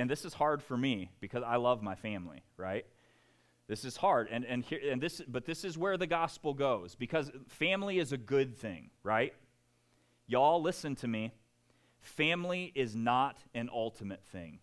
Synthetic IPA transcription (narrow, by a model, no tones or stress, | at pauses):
ɨ̃nðɪsɨz̥hɑɹd̥fə˞mib̥ɨkʰʌzaɪlʌvmaɪfæ̃mlḭɹa̰ɪt̪̚ | ðɪsɨz̥hɑɹdɨ̃nɨ̃nhiɹɨ̃nðɪsbʌt̪̚ðɪsɨzwə˞ðɨɡɑspl̩ˠɡoʊzbɨkʰʌzfæ̃mliɨzɨɡʊd̪̚θɪ̰̃ŋɹaɪt̚ | jɨɔlˠlɪsɨ̃ntʰɨmi | fæ̃mliʔɪznəɾɨ̃nʔʌlˠtʰɨmɨt̪̚θɪ̰̃ŋ